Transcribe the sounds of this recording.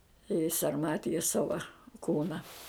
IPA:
ɪ sɐrˈmɑːtʲɪjɛs ˈsɑːʋɐ ˈkuːnɐ

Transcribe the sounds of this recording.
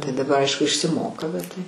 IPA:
tɐɪ dɐˈbɐr ˈɐɪʃkʊ ɪʃʲsʲɪˈmoːkɐ bʲɛt tɐɪ

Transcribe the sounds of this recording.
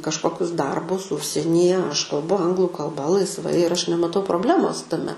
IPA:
kɐʃˈkoːkʲʊs ˈdɐrbʊs ˈʊʃʲsʲiɛnʲiːjɛ ɐʃ kɐlˠˈbʊ ˈɐŋɡlˠʊ kɐlˠˈbɐ lˠɐɪsˈʋɐɪ ɪr ˈɐʃ nʲɛmɐˈtɐʊ proːbʲˈlʲæːmoːs tɐˈmʲɛ

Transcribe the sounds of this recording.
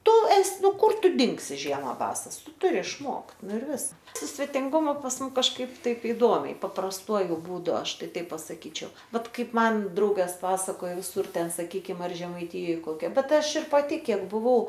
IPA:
ˈtʊ ˈɛs ˈnʊ ˈkʊr ˈtʊ ˈdʲɪŋksʲɪ ˈʒʲiɛmɐ ˈbɑːsɐs ˈtʊ ˈtʊrʲɪ ɪʃˈmoːkt ˈnʊ ɪr ˈʋʲɪs sʊ sʲʋʲɛtʲɪŋˈɡʊmʊ pɐs ˈmʊm kɐʃˈkɐɪp ˈtɐɪp ɪˈdoːmʲɛɪ pɐprɐsˈtuɔjʊ buːˈdʊ ˈɐʃ ˈtɐɪ ˈtɐɪp pɐsɐˈkʲiːt͡ʃʲɛʊ ˈbʲɛt ˈkɐɪp ˈmɐn ˈdrɐʊɡɐs ˈpɑːsɐkoːjoː ʋʲɪˈsʊr ˈtʲɛn sɐˈkʲiːkʲɪm ɐr ʒʲɛmɐɪˈtʲɪjoːj ˈkoːkʲɛ ˈbʲɛt ˈɐʃ ɪr pɐˈtʲɪ ˈkʲiɛk bʊˈʋɐʊ

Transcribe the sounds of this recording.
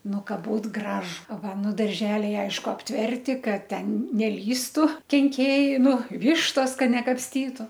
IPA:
ˈnʊ ˈkɐ ˈbuːt ˈɡrɑːʒʊ ˈʋɐ ˈnʊ dɐrʲˈʒʲæːlʲɛɪ ˈɐɪʃkʊ ɐpʲˈtʲʋʲɛrʲtʲɪ ˈkɐt ˈtʲɛn nʲɛˈlʲiːstʊ kʲɛŋʲˈkʲeːjɛɪ ˈnʊ ˈʋʲɪʃtoːs ˈkɐ nʲɛkɐpʲsʲˈtʲiːtʊ

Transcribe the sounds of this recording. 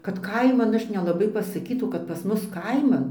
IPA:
kɐt ˈkɐɪmɐn ˈɐʃ nʲɛlˠɐˈbɐɪ pɐsɐˈkʲiːtɐʊ kɐt pɐs ˈmʊs ˈkɐɪmɐn

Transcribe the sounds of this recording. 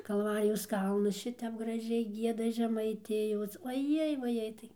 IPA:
kɐlˠˈʋɑːrʲɪjoːs ˈkɐlˠnʊs ˈʃʲɪtʲɛp ɡrɐˈʒʲɛɪ ˈɡʲiɛdɐ ʒʲɛmɐɪˈtʲɪjoːs oːˈjɛɪ ʋɐˈjɛɪ tɐɪ

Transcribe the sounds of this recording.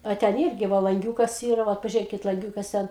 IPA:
ɐ ˈtʲɛn ˈɪrʲɡʲɪ ˈʋoː lˠɐŋʲˈɡʲuːkɐs ˈiːrɐ ˈʋɐt pɐʒʲʊˈrʲeːkʲɪt lˠɐŋʲˈɡʲuːkɐs ˈtʲɛn

